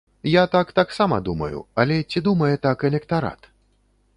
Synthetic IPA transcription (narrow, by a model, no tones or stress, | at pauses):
jat̪akt̪aksamɐ̰d̪umɐ̰jṵɐlʲɛt͡sʲid̪umɐjɛt̪akɛlʲɛkt̪aɾa̰t̪